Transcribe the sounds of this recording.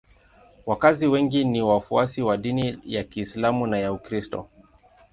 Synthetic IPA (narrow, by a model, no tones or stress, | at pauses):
wakaziwɛŋɡiniwafuasiwaɗinijakiːslamunajaukɾistɔ̰